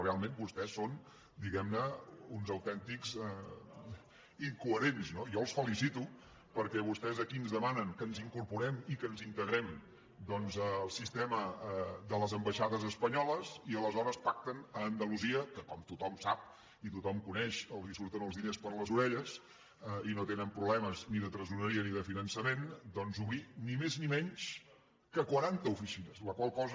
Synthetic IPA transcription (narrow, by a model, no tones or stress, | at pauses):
realˠmenbust̪ɛsːon | d̪iɣɛmnəunzəwt̪ɛnt̪ikzɛ | iŋkuəɾenznojɔlˠsfəlisit̪u | pəɾkɛβust̪ɛzəkinzðəmanəŋkənziŋkuɾpuɾɛmikənzint̪əɣɾɛm | d̪ɔnzːlˠsist̪ɛməðələzəmbəʃaðəzəspəɲɔləziələzɔɾəspak̚t̪ənəːnd̪əluziəkəkɔmt̪ut̪ɔmsap̚ | it̪ut̪ɔmkunɛʃəlˠzisuɾt̪ənəlˠzðinespəɾləzuɾɛʎəs | əinot̪enəmpɾuβlɛməzniðət̪ɾəzunəɾiəniðəfinənsəmend̪ɔnzuβɾinimeznimɛɲʃ | kəkwəɾant̪əufisinəsləkwalˠkɔz